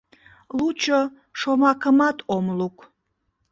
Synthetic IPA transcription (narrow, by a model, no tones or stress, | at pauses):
lut͡ʃʰə | ʂomakʰəmat̪ʰomlukʰʷʼ